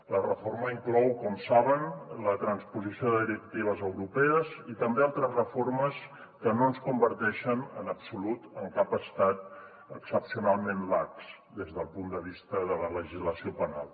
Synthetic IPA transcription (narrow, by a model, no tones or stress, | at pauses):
lərəfoɾməiŋklɔwkɔmsaβənlət̪ɾənspuzisioðəðiɾək̚t̪iβ̞əzəwɾupɛəzit̪əmbealˠt̪ɾəzrəforməs | kənonskumbəɾt̪ɛʃənənəpsulut̪əŋkapəst̪at̪̚ | əksəpsiunalˠmenlaks | d̪ezðəlˠpund̪əβ̞ist̪əðələləʒizləsiopəna̰lˠ